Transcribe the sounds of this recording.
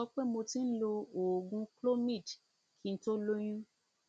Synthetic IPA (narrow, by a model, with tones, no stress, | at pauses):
ɔ˦k͡pe˦mo˧ti˦n̩˦lo˧o˨ɡũ˧klo˦mĩ˦˨d | ki˦n̩˦to˦lo˦j̃ũ˦